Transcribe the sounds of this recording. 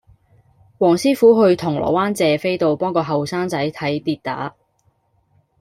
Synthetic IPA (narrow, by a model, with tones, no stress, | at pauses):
wɔː˨˩ŋsiː˥fuː˨˥ɦɵ˧ɥt̪ʰʊ˨˩ŋlɔ̰ː˨˩waː˥nt͡sɛː˨fe˥jt̪o˨wpɔː˥ŋkɔː˧ɦɐ˨wsaː˥ŋt͡sɐ˨˥jt̪ʰɐ˨˥jt̪iː˧t̚t̪a̰ː˨˥